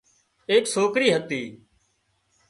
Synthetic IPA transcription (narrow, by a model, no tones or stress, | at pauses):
eːksoːkɾiːɦət̪iː